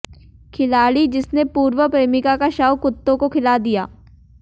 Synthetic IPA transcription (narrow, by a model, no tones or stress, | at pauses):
kʰɪlaːɽid͡ʒɪsnepuːɾwəpɾeːmɪkakaʃawkʊt̪ːõkokʰɪlaːd̪ijaː